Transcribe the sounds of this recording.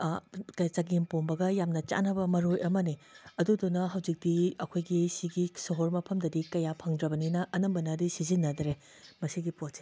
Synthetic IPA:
kɐt͡ʃɐɡimponbɐɡɐjamnɐt͡ʃa̰nɐbɐmɐɾojʔɐmɐniɐdudunːɐɦɐwd͡ʒik̚diɐkʰojɡisiɡisɐɦoɾmɐpʰɐmdɐdikɐjapʰɐŋdɾɐbɐninɐʔɐnɐmbɐnɐdisizinːɐdɾe | mɐsiɡipot̚se̥

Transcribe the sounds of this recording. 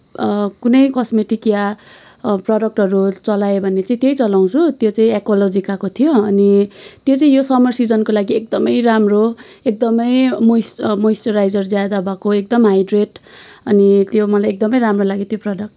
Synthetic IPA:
kunʌjkʌsmeʈikja | prʌɖʌk̚ʈɦʌɾut͡sʌlaebʱʌnːet͡saĩt̪jʌjt͡sʌlaw̃t͡sʰut̪jot͡saĩekolod͡zikakot̪ʰijoʌnit̪jot͡saĩjosʌmʌrsid͡zʌnkolaɡiek̚d̪ʌmʌjramro | ek̚d̪ʌmʌjmojsmojsʈʌɾajd͡zʌrd͡zjad̪abakoek̚d̪ʌmɦajɖreʈʌnit̪jomʌlajek̚d̪ʌmʌjɾamrolaɡit̪joprʌɖʌk̚ʈ

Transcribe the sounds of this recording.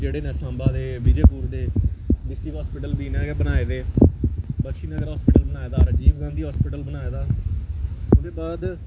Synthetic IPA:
d͡ʒeːɽeːnɛ̃ːsãːmbaːd̪eːʋɪd͡ʒeːpuːɾd̪eːɖɪsʈɪkɦɔːspɪːʈəlbiːneːɡbənaːeːd̪eː | bəkʃiːnẽɡəɾɦɔːspɪːʈəlbənaːeːd̪aːɾəd͡ʒiːbɡãːnd̪iːɦɔːspɪːʈəlbənaːeːd̪aː | ʊd̪eːbaːd̪

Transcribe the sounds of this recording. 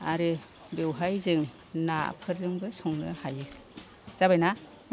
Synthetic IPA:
aɾɯ | bewɦajzɯŋ | na̰pʰɯɾzɯŋbɯsɔŋnɯ̰hajɯ | z̥abajna | n

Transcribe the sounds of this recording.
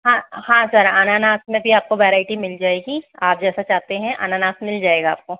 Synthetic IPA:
ɦãhãːsɐɾananaːst̪mẽbʱiaːp̚koʋɛːɾaːɪʈimɪld͡ʒaːeːɡiaːp̚d͡ʒɛːsat͡ʃaːɦt̪eɦɛ̃ʔa̰naːnaːsmɪld͡ʒaːeːɡa̰ːp̚koː

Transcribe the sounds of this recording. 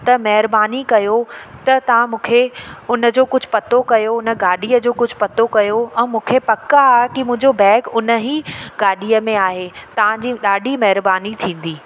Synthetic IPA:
t̪ɐmɐɦɪɾbaːnikɐjot̪ɐt̪ɐʋ̤ãmũːkʰeʊnə̆d͡ʑoːkʊd͡ʑʱʊ̆pɐt̪okɐjoʊnə̆ɡaːɗiːəd͡ʑoːkʊd͡ʑʱpɐt̪okɐjoɛ̃ːmũːkʰepɐkakimʊ̃ɦɪ̃ɲd͡ʑobɛːɡʊnə̆ɦiɡaːɗiːəmẽaːɦet̪ɐʋ̤ãd͡ʑiːɗaːɖʱimɐɦɪɾbaːnit̪ʰĩːn̆d̪iː

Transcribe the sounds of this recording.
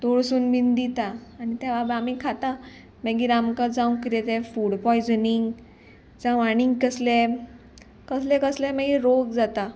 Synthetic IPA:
t̪oɭsuːnmind̪it̪aːñit̪aʋabamikʰat̪a | məɡiɾamkad͡zãũkiɾɛt̪ɛfuɽpɔjd͡zniŋɡ | d͡zãʋaɽ̃iŋɡkəslɛ | kəslɛ̃kəslɛ̃məɡiɾoɡd͡zat̪a

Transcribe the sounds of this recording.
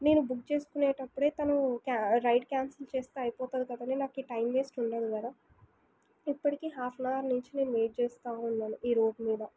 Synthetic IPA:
ne̞ːnubuk̚t͡ʃe̞ːsu̥kuneːʈɐpːuɽe̞ːt̪ɐnukaɾɐjʈkʲjaːnsɐlt͡ʃeːst̪eːɐjpɔːt̪aːd̪ukɐd̪ɐninaːkiːʈɐjmʋe̞ːsʈuɳɖaːd̪ukɐd̪a | ipːɐʈikeːɦaːpʰnaːɾnuɲt͡ʃine̞ːnuʋe̞ːɖ̚t͡ʃɛːst̪aːunːaːnuʔiːɾo̞ːɖmiːd̪ɐ

